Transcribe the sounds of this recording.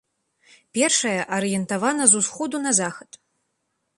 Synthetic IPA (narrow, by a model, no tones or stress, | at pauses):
pʲɛrʂɐjɐʔɐɾɨjɛnt̪avanɐzusxɔd̪unɐzaxɐt̪